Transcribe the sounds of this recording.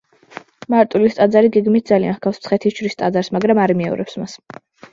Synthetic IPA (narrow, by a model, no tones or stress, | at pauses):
maɾt̪ʼulist̪ʼad̪zaɾiɡɛɡmit̪̚d̪zalianχkafspsʰχɛt̪ʰit͡ʃʰɾist̪ʼad̪zaɾsmaɡɾamaɾimiɛɔ̰ɾɛ̰psmas